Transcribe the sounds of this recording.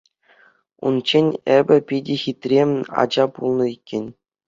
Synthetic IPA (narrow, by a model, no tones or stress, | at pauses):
ṵnt͡ɕenʲebʲɘ̆pʲidʲexʲit̪ʲrʲemʲɑ̰d͡ʑɑpulˠnɤ̆ikʲːenʲ